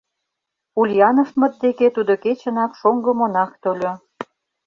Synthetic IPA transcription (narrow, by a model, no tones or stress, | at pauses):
ulʲjɑnə̆ʃmə̆t̪̚d̪eket̪ud̪oket͡ɕə̆nɑkʃoŋɡə̆monɑkt̪ølʲo